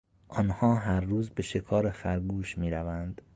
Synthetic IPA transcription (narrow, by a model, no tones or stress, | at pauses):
ʔɒːnhɒːɦæɾːuːzbe̞ʃe̞kʰɒːɾefæɾɡuːʃmiːɾævænd̪̥